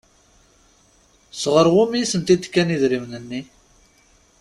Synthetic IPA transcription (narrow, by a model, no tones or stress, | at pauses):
sʁəɾˤwumjisənt̪id̪kːæniðɾivnənːi